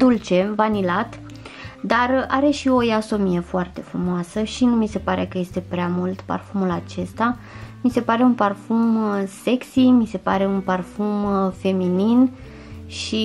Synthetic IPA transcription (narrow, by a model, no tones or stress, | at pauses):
d̪ult͡ʃe̞vanilat̪ | d̪araɾe̞ʃio̞jaso̞mijefoart̪e̞fɾumoasəʃinumise̞paɾe̞kəje̞st̪e̞pɾeamult̪pa̰rfumulat͡ʃe̞st̪a | mise̞paɾe̞unparfumse̞ksimise̞pa̰ɾe̞unparfumfe̞minin | ʃi